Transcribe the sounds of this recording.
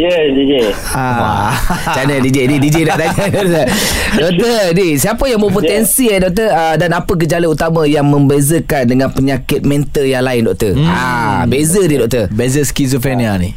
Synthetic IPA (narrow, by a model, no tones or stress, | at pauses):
jədid͡ʒe | a | t͡ʃanədid͡ʒedidid͡ʒedɔʔ̚t̪aɲədɔʔt̪ədɔkt̪ədisiapəjaŋbop̬oɛnsiɛdɔk̚t̪əədanapək̬əd͡ʒalaut̪amãjaŋmə̃mbezəkandəŋãnpəɲakɪt̪̚mɛ̃nt̪əjaŋlaɪndɔʔ̚t̪əabezədidɔʔ̚t̪ərbezəskizufɛnianḭ